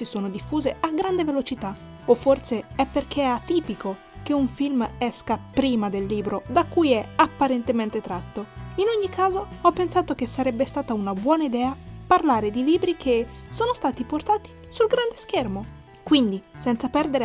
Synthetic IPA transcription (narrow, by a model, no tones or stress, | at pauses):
sisoːnod̪ifːuːzeaɡɾand̪evelot͡ʃit̪a | ofːorseɛpːerk̟ʰeɛat̪iːpiko | keuɱfilmɛskapɾiːmad̪elːiːbɾod̪akːujɛapːaɾent̪ement̪et̪ɾat̪ːoinoɲːikaːzoɔpːensaːt̪ok̟esːaɾɛbːest̪aːt̪aunabwɔːnaid̪ɛːaparlaːɾed̪iliːbɾikʰe | soːnost̪aːt̪iport̪aːt̪i̥ | sulɡɾand̪eskermo | kwind̪isɛnt̪sapɛrd̪eɾe